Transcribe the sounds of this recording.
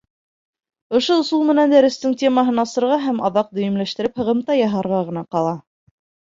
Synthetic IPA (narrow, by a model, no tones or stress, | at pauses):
ŏʃoŏsulˠmɘ̆nænd̪æɾɘ̆st̪ɘŋtʲe̞mɑɦɤnɑsɤ̆ɾʁɑɦæmɑðɑq̚d̪ɵ̆jɘ̆mlæʃt̪ɘ̆ɾɘphɤ̆ʁɤ̆mt̪ɑjɑɦɑɾʁɑʁɤ̆nɑqɑlˠɑ